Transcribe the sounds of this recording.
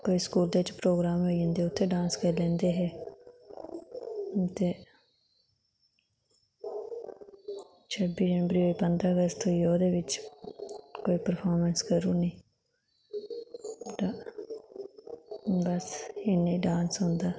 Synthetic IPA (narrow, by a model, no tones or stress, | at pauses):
koːiːskuːld̪eːʋɪt͡ʃpɾoːɡɾaːmoːiə̃ːnd̪eːʊt̪ʰːeːɖãːnskəɾlɛ̃ːnd̪eːɦɛː | t̪eː | t͡ʃʰəbiːd͡ʒənbɾiːʋəiːpənd̪ɾaːəɡəst̪ʰojoːd̪eːʋɪt͡ʃ | koːiːpəɾpʰaːɾmənskəɾuːnəĩː | ʈa | bəsɪnĩːɖãːnsɦõnd̪aː